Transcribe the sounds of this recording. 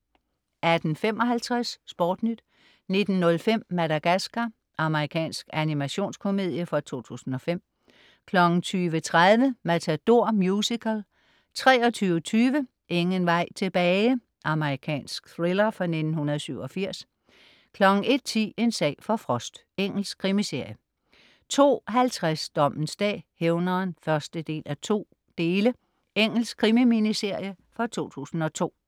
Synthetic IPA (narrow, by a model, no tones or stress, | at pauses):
æd̥n̩fem̰ʔɒ̽ɦælt͡sʰʁasːb̥ɒ̰ːd̥nyd̥ | ne̝d̥n̩ːɔ̽lfem̰ːæɾæɡ̥æsɡ̥ɐ | ʔɑ̈məʁikʰɛ̰ːnsɡ̥ænimæɕo̝̰ːnskʰo̝me̝ð̰ˠjəfɒ̽t͡sʰo̝̰ːt͡sʰṵːsn̩ɒ̽fem̰ | kʰlɒ̽ɡ̥n̩t͡sʰyːʋət͡sʰʁaðˠʋəmæt͡sʰæd̥o̝ɐ̰mjuːsikʰəl | t͡sʰʁɛːɒ̽t͡sʰyːʊət͡sʰyːʋə | ʔe̝ŋənʋɑ̈ɪ̰t͡sʰe̝b̥ɛː | ʔɑ̈məʁikʰɛ̰ːnsɡ̥θʁelɐfʁɑ̈ne̝d̥n̩hunɐð̞̩ˠsyʊɒ̽fiɐ̰s | kʰlɒ̽ɡ̥n̩e̝d̥̚t͡sʰḭːe̝nsɛ̰ːfɒ̽fʁɒsd̥ | eŋ̰l̩skʰʁimise̝ɐ̰jə | t͡sʰo̝̰ːɦælt͡sʰʁasd̥ɒ̽m̰n̩sd̥ɛ̰ːheʊnɐːnfɶɐsd̥əd̥e̝̰ːlæt͡sʰo̝̰ː | d̥e̝ːlə | eŋ̰l̩skʰʁimiminise̝ɐ̰jə | fɒ̽t͡sʰo̝̰ːt͡sʰṵːsn̩ɒ̽t͡sʰo̝̰ː